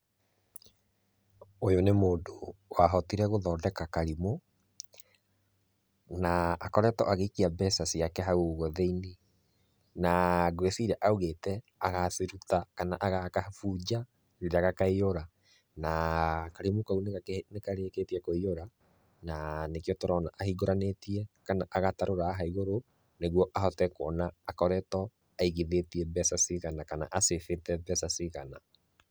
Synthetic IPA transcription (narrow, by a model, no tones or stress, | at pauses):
ojonemoːndowaɦɔtiɾɛɣoðɔːdɛkakaɾimo | naːkɔɾɛtɔ̰ʔaɣeikiabɛsasiakɛɦauɣɔðeini | naɡwɛsiɾaʔauɣetɛ | aɣaθeɾutakanaʔaɣakafuːd͡ʑa | ɾeɾaɣakaioɾa | nakaɾemokaunenekaɾeketiɛkoioɾa | nanekjɔtɔɾɔnaʔahiɡoɾanetiɛkanaʔaɣataɾoɾaɦaiɣoɾo | neɣwɔʔahɔtɛkwɔnaːkɔɾɛtɔ | aiɣeðetiɛbɛsasiɣanakana̰ʔasefetɛbɛsasiɣana